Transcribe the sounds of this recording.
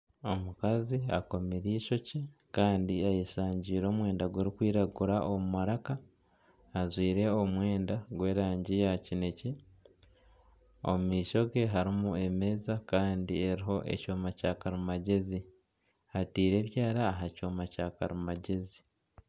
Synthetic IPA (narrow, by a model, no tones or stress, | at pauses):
o̞mukaziako̞meɾiːʃo̞cikaːndiajisaːɲɟiːɾo̞ːmwe̞ːndaɡweɾikwiːɾaɡuɾaʔomumaɾakaː | zwiːɾe̞omwe̞ːndaɡwe̞ːɾaːɲɟijacine̞ce | o̰mumiːʃo̞ɡe̞ɦaɾimue̞me̞ːzakaːndie̞ɾiɦo̞ʔe̞̰coːmacaːkaɾumaɟe̞zi | hatiːɾe̞ːβjaːɾaːɦacoːmacaka̰ɾumaɟe̞zi